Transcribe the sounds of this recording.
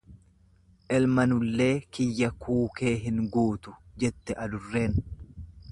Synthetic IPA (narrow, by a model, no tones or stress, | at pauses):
ʔɛlmɐnʊlːe̞ːkɪjːɐkʰuːke̞ːɦɪŋɡuːt̪ʊd͡ʒɛt̪ːɛʔɐd̪ʊrːe̞ːn